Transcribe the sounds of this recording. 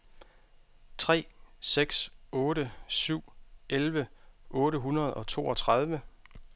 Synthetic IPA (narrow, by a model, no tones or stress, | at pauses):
t͡sʰʁɛ̰ːseɡ̥sɔ̽ːɾəsyʊ̰ʔelʋəʔɔ̽ːɾəɦunɐð̞̩ˠɒ̽t͡sʰo̝̰ːɒ̽t͡sʰʁɑð̞ˠʋə